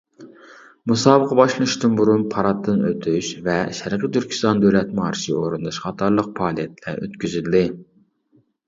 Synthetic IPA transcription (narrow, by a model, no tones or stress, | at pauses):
musɑːbəqʰɑbɑʃlˠɨʃt̪ɨnbuɾunpʰɑɾɑt̪ʰːɨnøt̪ʰyʃvɛʃæɾqət̪ːyɾkʲʰi̥st̪ɑnd̪ølɛt̪mɑːɾɨʃioɾund̪ɑʃχɑt̪ʰɑɾlˠəq̚pʰɑːlˠijɛt̪ʰlæ̰ɾø̰t̪kʲyzyld̪ɪ